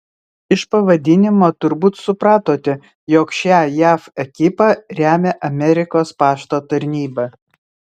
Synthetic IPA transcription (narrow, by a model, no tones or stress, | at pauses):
ɪʃpɐʋɐd̪ʲɪnʲɪmoːt̪ʊɾbuːt̪sʊpɾɑːt̪oːt̪ʲɪ | joːkʃʲæːjæːfɛkʲɪpɑɾʲæːmʲeːʔɐmʲɛɾʲɪkoːspɑːʃt̪oːt̪ɐɾʲnʲiːbɑ